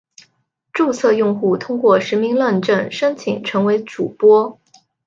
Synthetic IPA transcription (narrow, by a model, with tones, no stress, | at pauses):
ʈ͡ʂu˥˧t͡sʰɤ˥˧jʊ˥˧ŋxu˥˩t̪ʰʊ˥ŋkwɔ˥˩ʂɻ̩˧˥mi˧˥ŋlwa˥˧nʈ͡ʂə˥˩nʂə˥nt͡ɕʰḭ˨˩ŋʈ͡ʂʰɤ˧˥ŋwe˧˥ɪʈ͡ʂu˨˩pwɔ˥